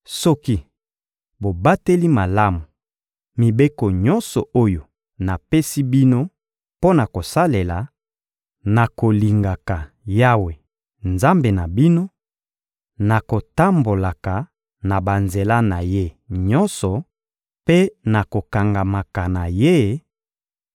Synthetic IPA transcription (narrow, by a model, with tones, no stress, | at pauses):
sɔ˦ki˦ | bo˨ba˦te˦li˦ma˨la˦mu˨ | mi˨be˦ko˨ɲɔ˦nsɔ˨ʔo˦jo˨ | na˨pe˦si˦bi˦no˦ | po˦na˨ko˨sa˦le˨la˨ | na˨ko˨li˨ŋɡa˨ka˨ | ja˦we˨ | nza˦mbe˨na˨bi˦no˦ | na˨ko˨ta˦mbo˨la˨ka˨ | na˨ba˨nze˨la˦na˨je˦ | ɲɔ˦nsɔ˨ | pe˦na˨ko˨ka˨ŋɡa˨ma˨ka˨na˨je˦